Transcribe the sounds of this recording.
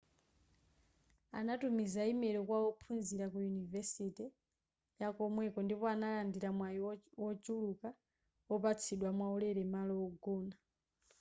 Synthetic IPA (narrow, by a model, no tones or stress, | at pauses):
a̰natumizaimɛɾɔkwaɔpʰunziɾakujunivɛsitɛ | jakɔmwɛkɔndipɔanalandiɾamwaiwɔd͡ʒuluka | ɔpat͡sʰiɗwamwaulɛɾɛmalɔɔɡɔːna